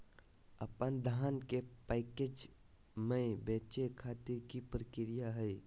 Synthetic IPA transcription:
əpənd̪ʱaːnkepɛːked͡ʒ | mə̃beːt͡ʃekʰaːt̪ɪɾkipɾəkɪɾɪjaɦɛi

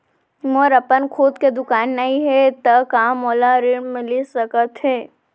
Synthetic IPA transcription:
moɾɐpənkʰoːd̪ked̪ʊkaːnːɐɦĩɦɛt̪ɐkaːmoːlaɾɪɳmɪlisɐkət̪ɦɛː

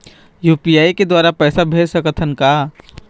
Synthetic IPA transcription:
juːpiaːiked̪waːɾapɛːsabʱeːd͡ʒsəkət̪ʰənkaː

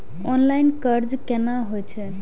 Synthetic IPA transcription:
ɔnlajnkəɾd͡ʒkenaɦojt͡ʃʰɛ

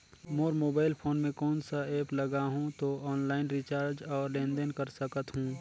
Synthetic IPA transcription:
moːɾmoːbaːɪlpʰoːnmẽkɔːnsaeːplɐɡaɦũt̪oɔːnlaːɪnɾɪt͡ʃaːɾd͡ʒɔːɾlẽːnd̪ənkəɾsəkət̪ɦũː

